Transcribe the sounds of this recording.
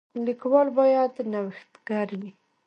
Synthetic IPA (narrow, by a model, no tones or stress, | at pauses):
likwɑlbɑjad̪nawɪxt̪ɡaɾwi